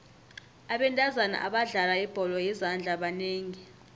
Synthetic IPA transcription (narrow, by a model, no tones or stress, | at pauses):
aɓɛntʼazana̰ʔaɓaɮalaib̥ʱɔlɔjizand͡ɮʱaɓaneːŋi